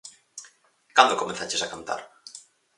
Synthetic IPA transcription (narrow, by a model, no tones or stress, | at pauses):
kand̪okomenθat͡ʃesakant̪a̰ɾ